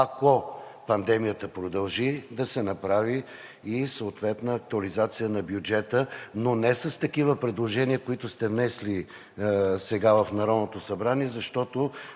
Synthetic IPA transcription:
ɐkopɐnd̪ɛmijət̪əpɾod̪ɐlˠʒid̪ɐsɛnɐpɾaviː | sɐʊt̪vɛt̪nəːk̚t̪uɐlizat̪sijənɐbjud͡ʒɛt̪ənonɛsɐst̪ɐkivəpɾɛd̪lˠoʒɛniəkoit̪ʊst̪ɛvnɛsli | sɛɡavɐfnɐɾɔd̪not̪osɐbɾaniɛzɐʃt̪ɔt̪o

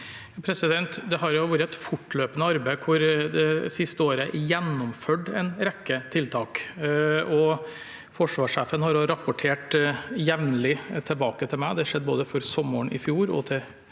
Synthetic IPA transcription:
pʰɾɛsɪd̪ɛnt̪d̪ɛɦɑɾjʊʋuːɾəɛt̪fʊʈːløːpənəɑɾbæɪkʰʊɾd̪ɛsɪst̪əoːɾəʔjɛnːʊmføːɖɛ̰ɪnɾɛkːət̪ʰɪlt̪ʰɑːk | ɔ | fɔʂʋɑːʂeːfənhɑɾʊɾɑpːʊʈʰeːʈjɛʋnəlɪt̪ʰɪlbɑːkət̪ʰɪlmæɪd̪ɛʂɛd̪ːboːd̪əfɔɾsɔməɳɪ̰fjuːɾɔ̰t̪ʰɪl

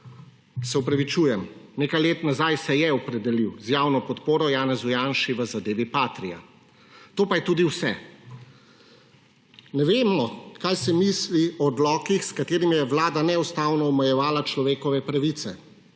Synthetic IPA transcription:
sɛɔpɾaʋit͡ʃuːjɛmneːkajleːt̪nazajsɛjɛɔpɾɛd̪ɛliwzjaːwnɔpɔt̪poːɾɔjaːnɛzujaːnʃiʋəzad̪eːʋipaːt̪ɾija̰ | t̪oːpajɛt̪uːd̪iwsɛ | nɛʋeːmɔkajsɛmisliɔd̪lɔːkixskat̪eːɾimijɛʋlaːd̪anɛust̪aːwnɔɔmɛjɛʋaːlat͡ʃlɔʋeːkɔʋɛpɾaʋit̪sɛ

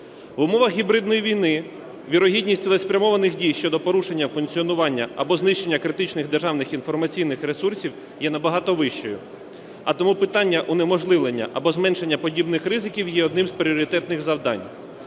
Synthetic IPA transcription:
ʋʊmɔʋɐxɦʲibɾɪd̪nɔjiʋʲijnɪ | ʋʲiɾɔɦʲidʲnʲisʲtʲlˠɛspɾʲɐmɔʋɐnɪxdʲijʃt͡ʃɔd̪ɔpɔɾuʃe̞nʲːɐfʊnkt͡sʲiɔnʊʋɑnʲːɐɐ̰bɔznɪʃt͡ʃe̞nʲːɐkɾɪt̪ɪt͡ʃnɪxd̪erʒɑwnɪxinfɔrmɐt͡sʲijnɪxɾesursʲiw | jɛnɐbɐɦɑt̪ɔʋɪʃt͡ʃɔjʊ | ɐ̰t̪ɔmupɪt̪ɑnʲːɐʔunemɔʒlˠɪʋlˠenʲːɐ̰ʔɐbɔzmɛnʃe̞nʲːɐpɔdʲibnɪxrɪzɪkʲiwjɛɔd̪nɪmzpɾʲɪɔɾʲit̪ɛt̪nɪxzɐwd̪ɑ̰nʲ

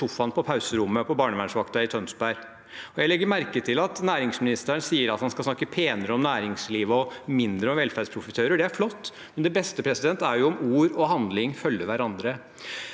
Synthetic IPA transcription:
ʊfɑnpʰɔpʰɑʉsəɾʊmːəpʰɔbɑːɳəʋæɳʂʋɑkt̪ɑɪt̪ʰœnsbæɾ | ɔjæɪlɛɡːəɾmæɾkət̪ʰɪlɑt̪næːɾɪŋsmɪnɪst̪əəɳsiːəɾɑt̪hɑnskɑsnɑkːəpʰeːnəɾəɔmnæːɾɪŋsliːʋəɔmɪnd̪ɾəɔmʋɛlfæɖ̪spʰɾʊfət̪ʰøːɾəɖɛæɾflɔt̪ː | mɛnd̪ɛbɛst̪əpʰɾɛsɪd̪ɛnt̪æɾjʊɔmuːɾɔɦɑnd̪lɪŋfœlːəʋæɾɑnd̪ɾə

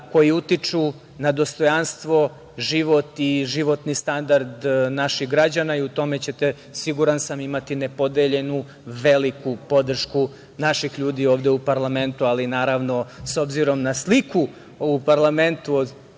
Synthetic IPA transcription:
ko̞jiut̪it͡ʂu | nad̪o̞st̪o̞janst̪ʋo̞ | ʒiʋo̞t̪iʒiʋo̞t̪nist̪and̪aɾd̪naʃiɣɡɾad͡ʑanaiut̪o̞me̞t͡ɕe̞t̪e | siɡuɾansamimat̪ine̞po̞d̪eʎe̞nu | ʋe̞likupo̞d̪r̩ʃku | naʃixʎuːd̪ioːʋd̪eupaɾlˠame̞nt̪ualinaːɾaʋno̞so̞bziɾo̞mnasliku | upaɾlˠament̪u

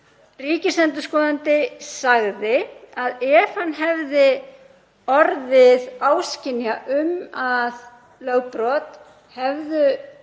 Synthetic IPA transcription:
riːcɪsɛnt̪ʏskɔːðant̪ɪsaɣðɪaðɛv̥hanːɦɛvðɪ | ɔɾðɪðaːwscɪnːjaʔʏmað | lœɣpɾɔt̪ | hɛvðʏ

